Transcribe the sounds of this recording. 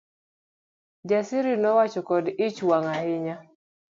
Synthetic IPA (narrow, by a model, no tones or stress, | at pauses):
d͡ʒasiɾinɔwat͡ʃɔkɔdit͡ʃwaŋahɪɲa